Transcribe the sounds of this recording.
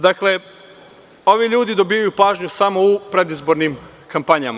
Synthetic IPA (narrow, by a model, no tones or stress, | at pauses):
d̪akle̞ | o̞ʋiʎuːd̪id̪o̞bijajupaːʒɲusamo̞upɾe̞d̪izbo̞ɾnim | kampaɲama